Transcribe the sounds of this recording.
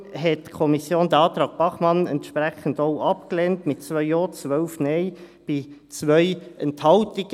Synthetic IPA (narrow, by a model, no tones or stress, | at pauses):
ɦɛtkʰɔmisjoːnd̥əɑːtɾɑːk̚b̥ɑχmɑnɛntʃpʁɛχən̩doʊʔɑpklɛntmɪtt͡svœʏɔːt͡sʋœlfnɛɪ | b̥ɪt͡svœʏʔɛnthɑltɪɡ̥